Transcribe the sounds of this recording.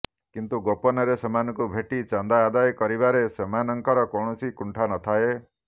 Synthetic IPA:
kint̪uɡopɔnɔɾesemanɔ̃ŋkubʱeʈit͡ʃand̪aːd̪ajkɔɾibaɾesemanɔŋkɔɾɔkɔɳɔsikuɳʈʰanɔt̪ʰae

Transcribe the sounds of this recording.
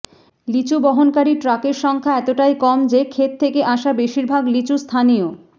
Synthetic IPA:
lit͡ɕubɔɦonkaɾiʈɾakeɾʃɔŋkʰaɛt̪oʈajkɔmd͡ʑekʰet̪̚ʰːekeʔaʃabeʃiɾbʱaɡlit͡ɕust̪ʰanio

